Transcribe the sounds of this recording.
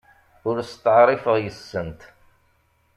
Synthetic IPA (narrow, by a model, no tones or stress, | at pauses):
ʊɾst̪əʕɾˤɪfəʁjəsːənt̪